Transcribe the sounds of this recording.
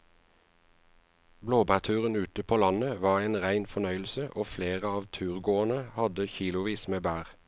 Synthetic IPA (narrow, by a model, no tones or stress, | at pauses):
bloːbæːʁt̪ʰʉːʁənʉːt̪əpʰoːlɑnəʋɑːʁeːnʁæɪnfɔnœʏl̩səʔoːfleːʁəɑːʋt̪ʰʉːʁɡoːənəhɑd̪əçiːlʊʋiːsmeːbæːʁ